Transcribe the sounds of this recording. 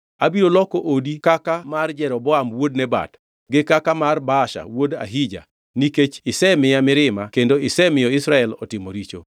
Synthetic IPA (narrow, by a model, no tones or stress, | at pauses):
abiɾolɔkoʔodikakamard͡ʒɛɾɔbɔamwodnɛba̰t | ɡɪkakamarbaʃa̰woda̰ɦid͡ʒa̰ | niket͡ʃɪsɛmɪjamɪɾɪmakendoɪsɛmɪjɔɪsɾaɛlɔ̰tɪmoɾit͡ʃo̰